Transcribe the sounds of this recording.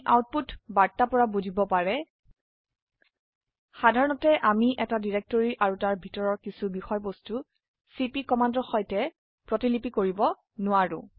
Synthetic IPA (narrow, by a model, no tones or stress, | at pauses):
ʔawt̚putbaɹtːapɔɹabuzibɔpaɹɛ | xadʱaɹɔnɔtɛʔamiʔɛtadiɹɛk̚toɹiʔaɹutaɹbʱitɔɹɔɹkisubixɔjbostu | sipikɔmandɔxɔjtɛ | pɹɔtilipikoɹibɔ | nʊwaɹʊ̰̃